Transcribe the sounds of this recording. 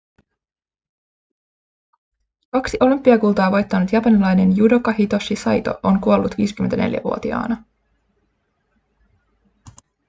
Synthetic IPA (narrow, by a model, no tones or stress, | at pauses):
kɑksiʔo̞lympːiɑkulˠt̪ɑːʋojt̪ːɑnut̪jɑpɑnilɑjne̞njudo̞kɑɦit̪o̞ʃisɑjt̪o̞̰ʔoŋkuo̞lːut̪ʋḭːsk̟yment̪æ̰ne̞̰ljæ̰ʋuo̞t̪iɑ̰ːnɑ